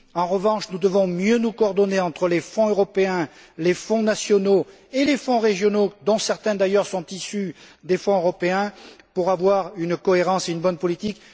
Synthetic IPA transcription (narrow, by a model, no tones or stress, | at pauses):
ɑ̃ʁəvɑ̃ʃnud̪əvɔ̃mjønukɔɔʁd̪ɔneɑ̃t̪χəlefɔ̃øʁɔpeɛ̃ | lefɔ̃nasjɔno | elefɔ̃ʁeʒjɔnod̪ɔ̃sɛʁt̪ɛ̃d̪ajœʁsɔ̃t̪isyd̪efɔ̃øʁɔpeɛ̃puʁavwaʁynkɔeʁɑ̃seynbɔnpɔlit̪ik